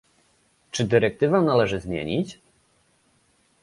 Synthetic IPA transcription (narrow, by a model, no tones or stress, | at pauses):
t͡ʂɘd̪ɘɾɛk̚t̪ɘvanalɛʐɘzmʲjḛɲit͡ɕ